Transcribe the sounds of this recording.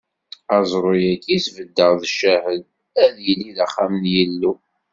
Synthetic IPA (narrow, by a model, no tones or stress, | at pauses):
æzˤɾˤojækːisvəd̪ːəʁðəʃːæhəd̪ | æðjəlːiðəχːæmənjəlːu